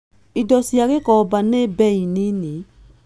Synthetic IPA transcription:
idɔsiaɡekɔbanebɛinini

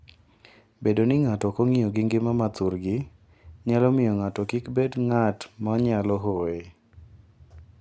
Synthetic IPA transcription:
bedonɪŋatɔkoŋijoɡɪŋɡɪmamat̪uɾɡɪ | ɲalɔmɪjɔŋatɔkikbedŋatmɔɲalɔɦoe

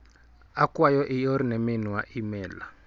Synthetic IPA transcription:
akwajɔʔijɔɾinɛminuwaʔimɛːla

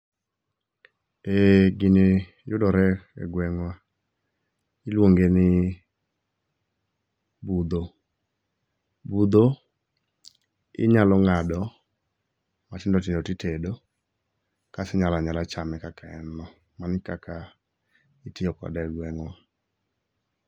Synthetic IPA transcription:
eɡɪnɪ | jʊdɔɾɛɛ̰ɡwɛŋwa | ɪlwoŋɡenɪ | bud̪o | bud̪o | ɪ̰ɲalɔŋadɔ | matɪndɔtɪndɔtitedo | kasɪɲalaɲalat͡ʃamɛkakʰaɛ̰nɔ | manɪkakʰa | ɪtɪjɔkɔ̰dɛɛɡwɛŋwa

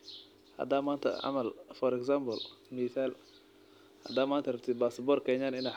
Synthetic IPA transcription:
hɐ̰d̪amaːnt̪ʰɐ̰ɐ̰mɐlfɔɾɛksambɔlmiːθaːl | hɐ̰d̪aːmaːnt̪ʰɐrɐb̚t̪ʰɪbasbɔrkʰɛɲaːnɪna

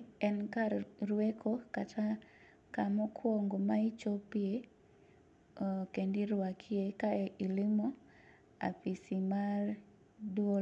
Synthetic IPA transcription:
ɛnkaɾɾwekʰokatʰa | kamɔkʰwoŋɡomait͡ʃopie | kendiɾʊwakʰɪekaeʔilɪmɔ | a̰pisimar | dwo

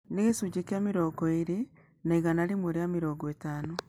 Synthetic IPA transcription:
neɣesuɟekjamiɾoːɡoiɾe | naiɣanaɾimweɾeamiɾoːŋɡwetaːno

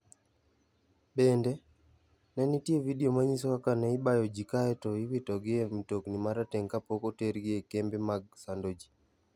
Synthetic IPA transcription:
bendɛ | nɛnitievidiomaɲisɔwakanɛɪbajod͡ʒikaɛtɔiwitɔɡɪemitoknimaɾatɛŋkapokoteɾɡɪekembemaɡ̚sandod͡ʒi̥

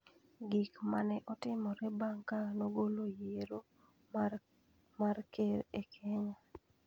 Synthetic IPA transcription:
ɡikmanɛʔɔtɪmɔɾɛbaŋkanoɡolojeɾo | markeɾekʰɛɲa

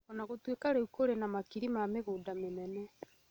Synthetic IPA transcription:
ɔnaɣotwekaɾɛukoɾenamakiɾimameɣuːdamenɛnɛ

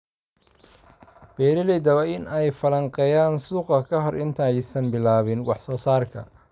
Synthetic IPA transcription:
b̥ɛːɾɪlɛjd̪ɐwɛɪnɛjfɐlɐɴqɛjaːnsuːqɐkʰɐɦɔrʔɪnt̪ʰɐjsɐnbɪlaːβɪnwɑ̰ħsɔːsaːrkʰɐ̰

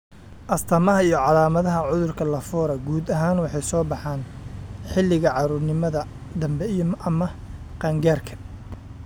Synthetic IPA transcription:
ʔɐst̪ʰɐmɐɦɐijɞʕɑlaːmɐðɐɦɐʕʊðʊrkʰɐlɐfɔːɾɐɡuːd̪ɐɦaːnwɑħɑjsɔːbɑħaːnħɪlɪɣɐʕɑɾʊrnɪmɐðɐ | d̪ɐmbɛijmʔɐmɐqɑːŋɡaːrkʰɐ̥

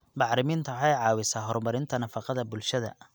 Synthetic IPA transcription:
bɑħɾɪmiːnt̪ʰɐħɑjʕɑːwɪsaːɦɔrmɐɾɪnt̪ʰɐnɐfɑqɑðɐbʊlʃɐðɐ̰

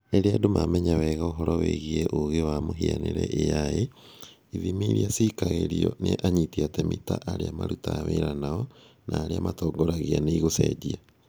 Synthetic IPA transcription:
eɾeadomamɛɲawɛɣaoɦɔɾɔweɣieʔoɣewamoɦianeɾɛ̰ʔejaje | iðimiɾiasikaɣeɾiɔneʔaɲitiatɛmitaʔaɾeamaɾutaːweɾanaɔ | naːɾeamatɔːŋɡoɾaɣianeiɣosɛdia

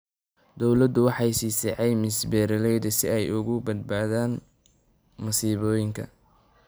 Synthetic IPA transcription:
d̪ɔwlɐd̪ʊwɑħɑjsiːsɛħɛjmɪsbɛːɾɐlɛjd̪ɐsɪɛjʊɣʊbɐd̪̚baːðaːn | mɐsiːβɔːjɪŋkʰɐ̰

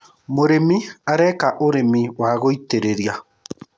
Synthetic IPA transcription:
moɾemiaɾɛkaʔoɾemiwaɣoiteɾeɾja

